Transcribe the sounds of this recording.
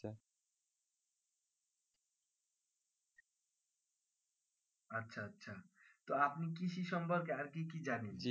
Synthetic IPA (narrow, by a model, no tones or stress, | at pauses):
ʌtːsʰaʌtːsʰat̪oapnikisisɔmpɔɾkeaɾkikid͡ʒanin